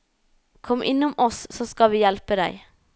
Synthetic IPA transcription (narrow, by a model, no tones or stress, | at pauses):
kʰɔmʔɪ̰nːʊmɔssoːskɑʋiːjɛlpəd̪æ̰ɪ